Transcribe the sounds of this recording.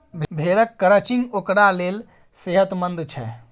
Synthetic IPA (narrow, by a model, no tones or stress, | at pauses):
bʱbʱeɾəkːəɾət͡ʃiŋɡokɾalel | seɦət̪mənd̪t͡ʃʰɛ